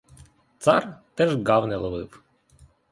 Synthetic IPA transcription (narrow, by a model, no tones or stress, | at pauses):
t̪sɑrt̪ɛʒɡɑwnɛlˠɔʋɪw